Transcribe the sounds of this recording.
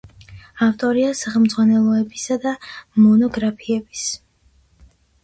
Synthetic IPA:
aft̪ʼɔɾiasaχɛlmd̪zʁwanɛlˠɔɛbisad̪amɔnɔɡɾapʰiɛbis

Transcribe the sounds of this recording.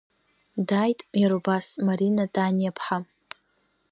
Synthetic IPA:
dajtʼmjaɾobasmaɾinatʼanjapʰħa

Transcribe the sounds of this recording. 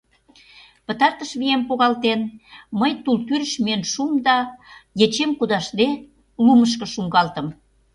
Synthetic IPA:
pə̆t̪ɑrt̪əʃβijempoɣɑlt̪enməjt̪ult̪yɾəʃmienʃumd̪ɑjet͡ɕemkud̪ɑʃle | luməʃ̬kɤ̆ʃuŋɡɑlt̪ə̆m

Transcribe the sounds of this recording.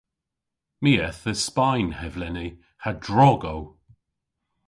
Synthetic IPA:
miːɛθəspajnhɛvlɛni | hadɹɔɡow

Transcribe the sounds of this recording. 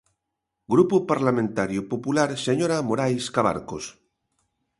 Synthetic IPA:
ɡɾupupaɾlamẽnt̪aɾjopopulaɾseɲoɾamoɾajskaβ̞a̰ɾkos

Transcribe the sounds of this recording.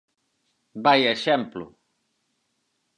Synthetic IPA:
bajeʃɛmplṵ

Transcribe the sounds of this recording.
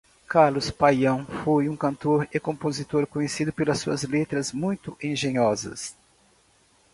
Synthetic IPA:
kaɾlʊspajɐ̃w̃fojũkɐ̃nt̪oɾekõpozit̪oɾkõɲesid̪ʊpelɐsuɐzlet̪ɾɐzmũj̃t̪ʊʔẽʒẽɲɔzɐ̰s

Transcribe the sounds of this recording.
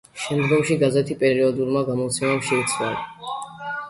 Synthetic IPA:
ʃɛmd̪ɡɔmʃiɡazɛt̪ʰipʼɛɾiɔd̪uɾmaɡamɔt̪sʰɛmamʃɛit̪sʰval

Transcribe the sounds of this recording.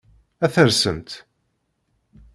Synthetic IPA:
æθəɾsə̰nt̪

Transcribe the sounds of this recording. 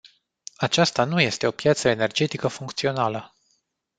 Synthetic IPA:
at͡ʃast̪anuje̞st̪e̞o̞pjat̪səene̞rd͡ʒe̞t̪ikəfuŋkt̪sio̞nalə

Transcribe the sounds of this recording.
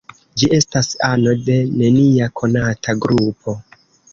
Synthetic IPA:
d͡ʒiʔe̞stasano̞de̞ne̞niakʰo̞natʰaɡɾupʰo̞

